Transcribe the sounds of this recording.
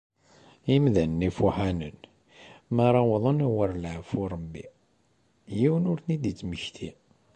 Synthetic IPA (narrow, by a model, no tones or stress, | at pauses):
imðænːifuħanən | mæɾˤɑwðˤənæwəɾˤlʕfuɾˤəbːḭ | jiwənʊɾθnid̪it͡sːməçt̪ʰi